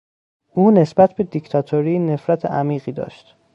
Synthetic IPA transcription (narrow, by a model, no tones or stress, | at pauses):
ʔuːne̞sbæt̪ʰbe̞d̪icʰt̪ʰɒt̪ʰoɾiːne̞fɾæt̪ʰḛæmiːɢiːd̪ɒ̰ːʃt̪